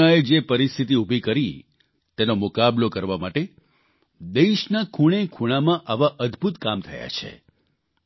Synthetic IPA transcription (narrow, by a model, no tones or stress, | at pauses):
aed͡ʒepəɾist̪ʰit̪̬iubʱikəɾi | t̪enomʊkablokəɾʋamaʈe | d̪eʃnakʰuɽ̃ekʰuɽ̃amãʔaʋaʔəd̪bʱut̪kamt̪ʰəja̰t͡ʃʰḛ